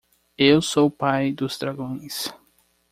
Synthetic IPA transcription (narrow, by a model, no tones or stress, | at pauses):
ewsowpajd̪ʊzd̪ɾaɡõj̃s